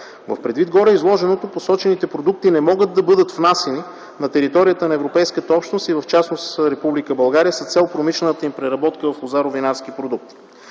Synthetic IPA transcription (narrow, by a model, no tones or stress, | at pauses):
vɐ̰fpɾɛd̪vid̪̚ɡɔɾɛizlˠɔʒɛnot̪oposɔt͡ʃɛnit̪ɛpɾod̪uk̚t̪inɛmɔɡəd̪̚ːɐbɤd̪ət̪fnasɛni | nɐt̪ɛɾit̪ɔɾijət̪ənɐɛvɾopɛjskət̪əɔpʃt̪nost̪ivɐft͡ʃasnosɾɛpublikəbɐlˠɡaɾijəsət̪sɛlˠpɾomiʃlɛnət̪əimpɾɛɾɐbɔt̪kəvɐfozaɾovinaɾsk̟ipɾod̪uk̚t̪i̥